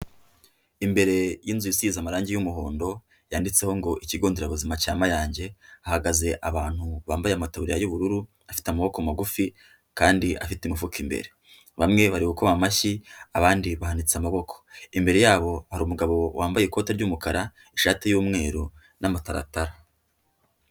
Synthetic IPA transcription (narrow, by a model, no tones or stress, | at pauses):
imbe̞ɾe̞jiːnzujisizamaɾaːɲɟijumuho̞ːndo̞ | jaːndit͡se̞ho̞ŋɡo̞ʔiciɡoːndeɾaβuzimacaːmajaːɲɟe̞ahaɡaze̞ʔaβaːn̥huβaːmbajeamataβuɾijajuβuɾuɾu | afi̥tamaβo̞komaɡufi | kaːndiʔa̰fiteimifukʰimbḛɾe̞ | βamŋe̞βaɾiβukoβamaʃiaβaːndiβahanit͡seamaβo̞kʰo̥imbe̞ɾe̞jaːβo̞haɾuːmuɡaβo̞wʔaːmbajeko̞ːteɾɟuːmukaɾa | iʃaːtejuːmŋe̞ːɾu | namataɾa̰taɾa